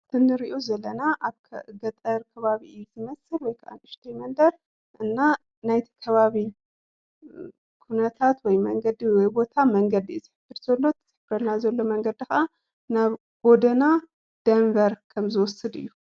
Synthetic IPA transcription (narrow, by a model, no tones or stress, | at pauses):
t̪ʰɨnːɨɾiʔozɐlɐnaʔaβkʰɡɐt̪ʼɐɾkʰɐβaβiʔɨjuzɨmɐsɨlwɔjkʰɐʔa̰nɨʃt̪ʰijmɐnd̪ɐɾ | ʔɨnːa | najt̪ʰi̥kʰɐβaβi | kʰunɐt̪ʰat̪wɔjmɐŋɡɐd̪iwɔjbo̞t̪ʰamɐŋɡɐd̪izɨħɨb̥ːɨɾzɐlːo̞t̪z̥ħɨbɐɾnazɐlːo̞mɐŋɡɐd̪ixa | naβ | ɡ̥o̞d̪ɐna | d̪̥ɐnvɐɾkʰɐmzɨwɔsɨd̪ɨ̰jːu